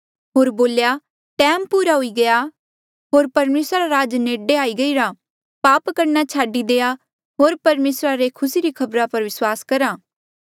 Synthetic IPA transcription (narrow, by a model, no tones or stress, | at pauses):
ɦoːɾboːlja | ʈɛ̃ːmpuːɾaɦʊiɡɐja | ɦoːɾpɐɾmeːsɾaɾaɾaːd͡ʒneːɖeaːiɡɐiɾa | paːpkɐɾnat͡ʃʰaːɖid̪eːa | ɦoːɾpɐɾmeːsɾaɾekʰʊsiɾikʰɐbɾapɐɾʋɪswaːskɐɾaː